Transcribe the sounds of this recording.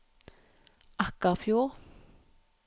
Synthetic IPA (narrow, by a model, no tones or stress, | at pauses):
ʔɑkəʁfjuːʁ